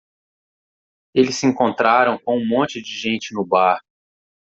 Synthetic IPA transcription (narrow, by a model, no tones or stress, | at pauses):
elɪsɪẽŋkõnt̪ɾaɾɐ̃w̃kõũmõnt͡ʃɪd͡ʒɪʒẽnt͡ʃɪnʊbaɾ